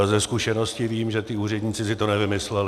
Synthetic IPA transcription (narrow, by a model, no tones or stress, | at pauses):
zɛskuʃɛno̞scɪviːmʒɛt̪ɪuːrɛdɲiːt͡sɪsɪt̪onɛvɪmɪslɛl